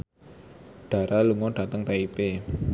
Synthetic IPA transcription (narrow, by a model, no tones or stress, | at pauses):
ɖ̥a̤ɾaluŋɔɖ̥at̪əŋt̪aipe